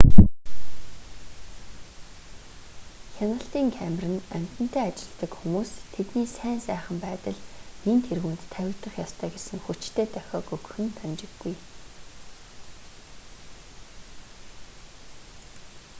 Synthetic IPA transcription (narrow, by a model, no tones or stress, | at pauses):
xʲanə̆ɬt̪iːŋkʰæmrɘ̆næm̥ʲt̪ə̆n̥t̪ʰæːat͡ɕɪ̆ɮt̪ə̆kxumuːst̪ʰet̪niːsæːnsæːχə̆mpæːt̪ə̆ɮnint̪ʰerɣuːnt̪ʰːæwʲɪ̆kt̪ə̆χjɔst̪ʰœːɡersɘ̆ŋxut͡ɕt̪ʰeːt̪œxʲɔːkɵkxɘ̆nt̪ʰant͡ɕɪ̆ɡːuj